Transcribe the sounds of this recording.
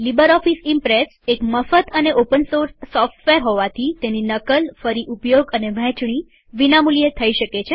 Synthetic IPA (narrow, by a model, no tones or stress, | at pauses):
libəɾɔfisimpɾesekməfət̪əneʔopənsoɾsːɔfʈʋeɾɦoʋat̪ʰit̪eninəkəlfəɾiʔupjoɡəneʋɛ̃t͡ʃɳ̃i | ʋinamuljət̪ʰəiʃəket͡ʃʰe